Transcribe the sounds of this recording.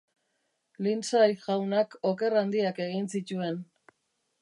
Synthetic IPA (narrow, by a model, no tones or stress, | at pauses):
linsajʝawnako̞ke̞rand̪iake̞ɣinsit͡ʃue̞n